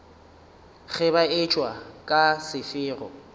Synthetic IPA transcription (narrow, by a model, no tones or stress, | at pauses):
ɣɛbaɪt͡ʃʼwakʼasɪfɪːrɔ̰